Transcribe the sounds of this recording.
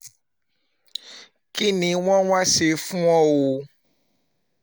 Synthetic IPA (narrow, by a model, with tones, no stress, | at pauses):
ki˦nĩ˨w̃ɔ̃˦w̃ã˦se˨fũ˦ɔ̃˦wo˧